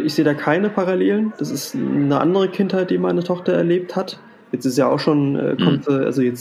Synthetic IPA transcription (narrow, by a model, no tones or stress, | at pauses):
ʔɪçz̥eːdaːkʰaɪnəpʰaʁaleːlənd̥asɪstnəʔa̰ndəʁ̞əkʰɪnthaɪt̚d̥iːmaɪnətʰɔχtɐɛɐleːp̚that | jɛt͡stɪstjaːa̰ʊxʃoːnʔɛ̰ːkʰɔmtʔa̰lzojɛt͡s